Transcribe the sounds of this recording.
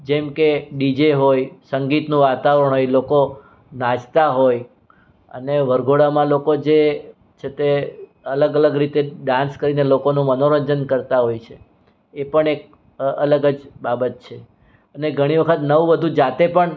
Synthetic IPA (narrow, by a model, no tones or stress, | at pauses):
d͡ʒɛmkeɖid͡ʒeɦojsəŋɡit̪nũʋat̪aʋɾəɳɦojloko | nãd͡ʒt̪aɦoj | ə̰neʋəɾɡʱoɽamãlokod͡ʒe | t͡ʃʰet̪e | ələɡələɡɾit̪eɖãnskəɾinelokonũmənoɾəɲd͡ʒənkəɾt̪aɦojt͡ʃʰeː | pəɳek̚ | ələɡəd͡ʒbabət̪̚t͡ʃʰe | əneɡʱəɽ̃iʋəkʰət̪nəʋũʋəd̪ʱũd͡ʒat̪epəɳ